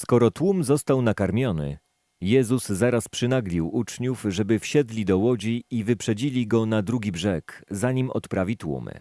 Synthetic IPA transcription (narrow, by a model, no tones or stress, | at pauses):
skɔɾɔt̪wumzɔst̪awnakaɾmʲjɔnɘ̰ | jɛzuzzaɾaspʂɘnaɡlʲiwut͡ʂɲufʐɛbɘfɕɛd̪lʲid̪ɔwɔd͡ʑiivɘpʂɛd͡ʑilʲiɡɔnad̪ɾuɡʲibʐɛkzaɲimɔ̰t̪pɾavʲit̪wṵm̰